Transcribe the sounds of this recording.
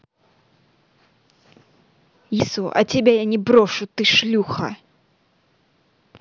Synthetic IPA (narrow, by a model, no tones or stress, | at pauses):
jisuʔɐ̰t͡sʲabʲɛjanʲɛbɾɔʂut̪ɨʂlʲuxɐ̰